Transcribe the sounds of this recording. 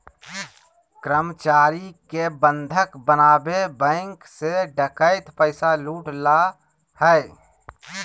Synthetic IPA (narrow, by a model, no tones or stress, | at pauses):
kɾəmt͡ʃaːɾikebə̃nd̪ʱəkbənaːbebə̃ːŋkseɖəkəɪt̪pəɪsaluːʈla | hɛɪ